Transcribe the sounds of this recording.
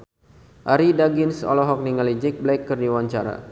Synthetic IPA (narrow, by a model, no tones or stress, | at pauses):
ʔaɾidaɡinsɔ̰lɔɦɔk̚niŋalid͡ʒɛk̚blakːɨrniwaɲt͡ʃaɾa̰